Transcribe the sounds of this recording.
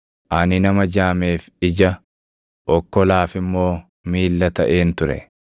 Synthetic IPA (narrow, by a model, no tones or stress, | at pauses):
ʔɐnɪnɐmɐd͡ʒaːme̞ːf | ɪd͡ʒɐ | ʔɔkːɔlaːfɪmːo̞ː | miːlːɐt̪ɐʔe̞ːnt̪ʊɾɛ̰